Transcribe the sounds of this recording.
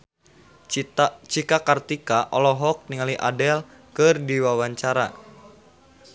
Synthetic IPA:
t͡ʃikakart̪ikaʔɔlɔɦɔk̚niŋaliʔa̰dɛl | kɨrdiwawaɲt͡ʃaɾa

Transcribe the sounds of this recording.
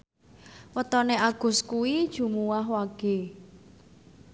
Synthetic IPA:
wət̪ɔneaɡ̥ʊ̤skuwid̥ʒ̥ṳmuwaɦwaɡ̥e̤

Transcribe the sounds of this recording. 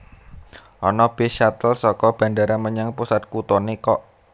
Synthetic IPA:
ʔɔnɔb̥e̤ʃat̪əlsɔkɔb̥a̤ɳɖaɾaməɲaŋpusat̪̚kut̪ɔnekɔʔ

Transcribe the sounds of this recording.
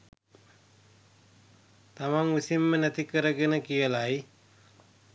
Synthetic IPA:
t̪amaŋʋisimːənæt̪ikəɾəɡenəkijəlaj

